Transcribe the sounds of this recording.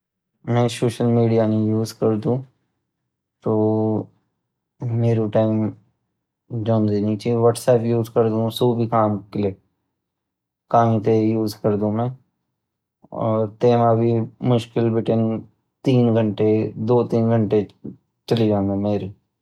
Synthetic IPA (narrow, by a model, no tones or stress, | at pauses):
mɛ̃soːʃəlmiːɖijanẽjuːzkɐɾd̪ũː | t̪oː | meːɾuʈaːɪm | d͡ʒɔ̃ːnd̪init͡ʃeʋaːʈsɛːpjuːzkɐɾd̪ũsuːbʱikaːmkɪleː | kaːmĩt̪ejuːzkɐɾd̪ũmɛ̃ː | ɔ̰ːɾt̪eːmabʱimʊʃkɪlbɪʈən | t̪iːnɡʱə̃ɳʈed̪oːt̪iːnɡʱə̃ɳʈe | t͡ʃɐlid͡ʒãːnd̪ameːɾi